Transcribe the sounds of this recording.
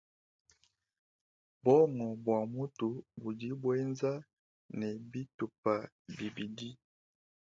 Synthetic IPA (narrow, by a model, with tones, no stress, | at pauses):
bɔ˦ŋɔ˨bwa˨mu˦tu˨bu˨di˦bwe˦nza˦ | nɛ˨bi˦tu˨pa˨ | bi˨bi˨di˦